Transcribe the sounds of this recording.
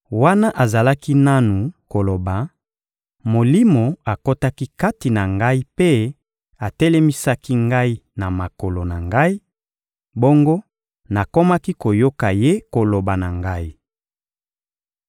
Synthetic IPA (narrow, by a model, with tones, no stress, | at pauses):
wa˦na˦ʔa˨za˨la˦ki˦na˦nu˨ko˨lo˨ba˨ | mo˨li˦mo˨a˨ko˦ta˦ki˦ka˦ti˨na˨ŋɡa˦i˦pe˦ | a˨tɛ˦lɛ˦mi˦sa˦ki˦ŋɡa˦i˦na˨ma˨ko˨lo˨na˨ŋɡa˦i˦ | bo˦ŋɡo˦ | na˨ko˦ma˦ki˦ko˨jo˦ka˨je˦ko˨lo˨ba˨na˨ŋɡa˦i˦